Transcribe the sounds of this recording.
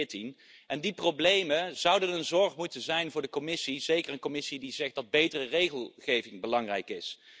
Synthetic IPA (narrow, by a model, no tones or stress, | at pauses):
tin | ʔɛndiproblejməz̥ʌwdənənzɔɹχmutənzɛjnvʊːɹdəkɔmɪsizejkəɹənkomɪsidizɛχdɑd̚bejtərərejχəlˠχejvɪŋbəlɑŋrɛ̰jkɪs